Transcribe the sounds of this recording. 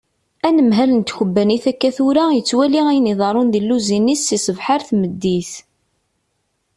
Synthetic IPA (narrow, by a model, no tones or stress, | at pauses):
ænəmɦælənt̪çəbːæniθækːæθuɾajət͡sːwæliæjniðˤɑɾˤʊnðilːuzinisːisəvħaɾθməd̪ːiθ